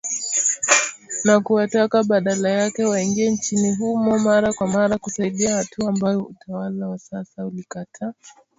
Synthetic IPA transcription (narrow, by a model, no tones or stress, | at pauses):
nakuwatakaɓaɗalajakɛwaiŋɡiɛnt͡ʃiniɦumɔmaɾakwamaɾakusaiɗiahatuambajɔutʰawalawasasaulikatʰaː